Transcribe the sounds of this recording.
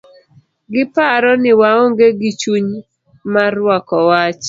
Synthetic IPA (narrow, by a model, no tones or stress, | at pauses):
ɡɪpaɾɔnɪwaoŋɡeɡit͡ʃuɲ | marwɔkɔwat͡ʃ